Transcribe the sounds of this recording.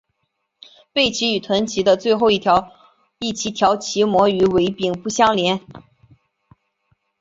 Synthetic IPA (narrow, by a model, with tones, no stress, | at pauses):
pe˥˩ɪt͡ɕʰi˧˥y˨˩t̪ʰwə˧˥nt͡ɕʰi˧˥d̪ə˧t͡swe˥˧ɪxo˥˧ʊi˥˩t̪ʰjɑ˧˥ʊ | i˥˩t͡ɕʰi˧˥t̪ʰjɑ˧˥ʊt͡ɕʰi˧˥mwɔ˧˥y˧˥we˧˥ɪpi˨˩ŋpu˥˩ɕjɑ˥ŋljɛ˧˥n